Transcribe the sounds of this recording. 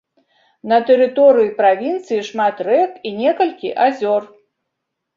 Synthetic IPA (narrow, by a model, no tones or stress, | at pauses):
nɐt̪ɛɾɨt̪ɔɾɨjipɾavʲint̪sɨjiʂmat̪rɛkinʲɛkɐlʲkʲiʔazʲɔr